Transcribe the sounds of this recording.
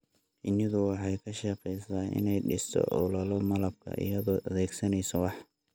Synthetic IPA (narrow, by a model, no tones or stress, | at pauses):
ʔɪnɪðʊwɑħɑjkʰɐʃɑqɛjsaːʔɪ̰nɛjɖɪst̪ʰɔ̰ʔɔlɐlɔmɐlɐb̚kʰɐ̰ʔɪ̰jɐðɔʔɐðɛːɡsɐnɛjsɐwɑħ